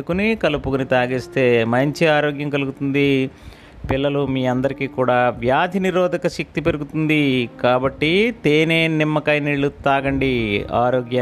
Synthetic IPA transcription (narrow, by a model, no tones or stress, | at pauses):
ukunikɐlupukunit̪aːɡiːst̪e̞ːmɐɲt͡ʃiaːɾoːɡjɐŋkɐluɡut̪und̪i | pilːɐlumiːɐnd̪ɐɾikiːkuːɽaːʋjaːd̪ʱiniɾɔːd̪ʱɐkɐʃɐk̚t̪ipe̞ɾuɡut̪und̪ikaːbɐʈːit̪eːne̞ːnimːɐkɐjniːɭːut̪aːɡɐɳɖia̰ːɾoːɡjɐ